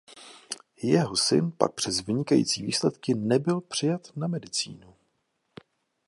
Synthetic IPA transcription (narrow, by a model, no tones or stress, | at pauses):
jɛɦo̞sɪ̰npa̰k̚pr̥ɛzvɪɲɪkajḭːt͡siːviːslɛt̪kɪnɛbɪlpr̥ɪjat̪namɛdɪt͡sḭːnu